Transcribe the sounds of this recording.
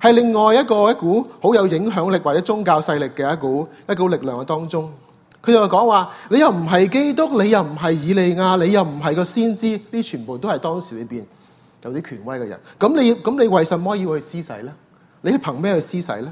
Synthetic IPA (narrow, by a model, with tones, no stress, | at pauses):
hɐ˨jlɪ˨ŋːɔː˨˩jɐ˥t̚kɔː˧jɐ˥t̚kuː˨˥ho˨˥wjɐ˨˧wjɪ˨˥ŋɦœː˨˥ŋlɪ˨k̚wa˨t͡sɛ˨˥t͡sʊ˥ŋkaː˧wsɐ˧jlɪ˨kːɛː˧jɐ˥t̚kuː˨˥jɐ˥t̚ko˨˥lɪ˨k̚lœː˨ŋkɐ˧t̪ɔː˥ŋt͡sʊ˥ŋ | kʰɵ˨˧jt͡sɐ˨wkɔː˨˥ŋwaː˨nle˨˧jɐ˨wm̩˨˩ɦɐ˨jke˥jt̪ʊ˥k̚le˨˧jɐ˨wm̩˨˩ɦɐ˨jːiː˨˧le˨jŋaː˧le˨˧jɐ˨wm̩˨˩ɦɐ˨jkɔː˧siː˥nt͡siː˥liː˥t͡ʃʰyː˨˩npo˨wt̪o˥whɐ˨˩jt̪ɔː˥ŋsiː˨˩le˨˧jpiː˨n | jɐ˨˧wt̪iː˥kʰyː˨˩nwɐ˥jkɛ̰˧jɐ̰˨˩nkɐ˨˥mle˨˧jkɐ˨˥mle˨˧jwɐ˨˩jsɐ˨nmɔː˥ji˧whɵ˧jsiː˥sɐ̰˨˥jlɛː˥ | le˨˧jhɐ˨jpʰɐ˨˩ŋmɛː˥hɵ˧siː˥sɐ̰˨˥jlɛː˦˥